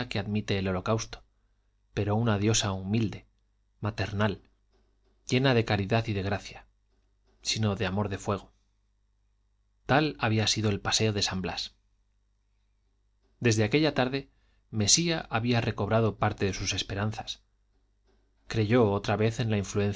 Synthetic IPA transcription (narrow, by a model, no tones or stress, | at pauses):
akeaðmit̪e̞ːlo̞lo̞kawst̪o̥ | pe̞ɾo̞unaðjo̞saumild̪e̞ | mat̪e̞ɾnal | ɟ͡ʝe̞naðe̞kaɾiðaθiðe̞ɣ̞ɾaθja | sino̞ðeamo̞ɾðe̞fwe̞ɣ̞o̞ | t̪alaβ̞iasiðo̞e̞lpase̞o̞ðe̞sambla̰s | d̪e̞zðe̞ake̞ʎat̪aɾðe̞ | me̞siaʔaβiare̞ko̞βɾaðo̞paɾt̪eðe̞suse̞spe̞ɾan̟θḁs | kɾe̞ʝo̞ot̪ɾaβe̞θe̞nlaiɱfluẽ̞n